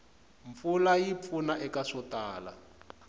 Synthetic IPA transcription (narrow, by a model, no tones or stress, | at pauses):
ɱp̪fulajip̪fʰunaʔɛkaʂɔtaːla̰